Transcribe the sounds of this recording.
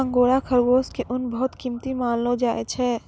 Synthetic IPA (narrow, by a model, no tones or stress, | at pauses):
ə̃ŋɡoːɽakʰəɾɡoːskeʔʊnbɐɦʊt̪kimt̪imaːnlod͡ʒaːet͡ʃʰɛː